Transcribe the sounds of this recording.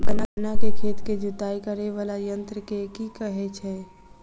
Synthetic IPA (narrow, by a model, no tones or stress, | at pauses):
ɡənanakekʰet̪ked͡ʒut̪aikəɾeʋalajənt̪ɾəkekikəɦɛt͡ʃʰɛ